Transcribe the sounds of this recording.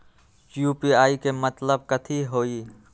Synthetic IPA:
juːpiaːikemɐt̪ləb̚kɐt̪ʰiɦoːiː

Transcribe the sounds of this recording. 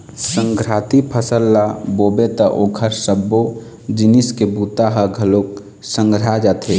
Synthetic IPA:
səŋɡɾat̪ipʰəsəlːaboːbet̪əʔoːkʰəɾsəbːo | d͡ʒiniskebut̪aɦəɡʱəlok | sə̃ŋɡɾad͡ʒat̪ʰe

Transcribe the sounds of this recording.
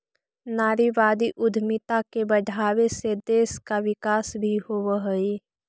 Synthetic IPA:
naːɾiʋaːd̪iʔʊd̪ʱmɪt̪akebəɖʱaːʋesed̪eːskaʋɪkaːsbʱihowɦəi

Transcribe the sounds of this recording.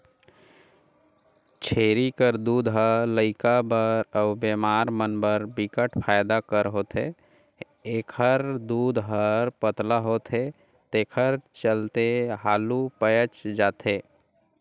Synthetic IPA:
t͡ʃʰeːɾikəɾd̪uːd̪ɦələɪkabəɾəʊbeːmaːɾmənbəɾbɪkəʈʰpʰaːjd̪akəɾɦoːt̪ʰe | eːkʰəɾd̪uːd̪ɦəɾpət̪laɦoːt̪ʰe | t̪eːkʰəɾt͡ʃəlt̪eɦaːlupəjət͡ʃd͡ʒaːt̪ʰeː

